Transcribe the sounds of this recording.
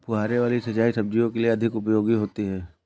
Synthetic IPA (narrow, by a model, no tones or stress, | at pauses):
pʊɦaːɾeʋaːlisɐt͡ʃaːisɐb̚d͡ʒijõkelieɐd̪ʱɪkʊpjoːɡiɦoːt̪iɦɛː